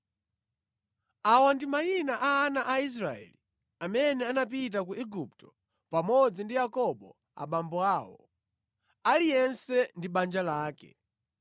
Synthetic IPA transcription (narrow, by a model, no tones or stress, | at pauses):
awandimajinaʔaːnaʔais̬ɾaɛ̰li | amɛnɛanap̬it̬ak̬uɛɡup̚tɔ̥ | pamɔd͡zindijakɔɓɔ | a̰ɓambɔaːwɔ̰ | alijɛnsɛndiɓand͡ʒalaːkɛ̰